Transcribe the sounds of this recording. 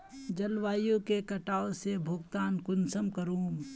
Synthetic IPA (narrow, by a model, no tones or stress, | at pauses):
d͡ʒɐlwaːjõkekɐʈaːosebʱʊɡt̪aːnkʊnsəmkɐɾũːm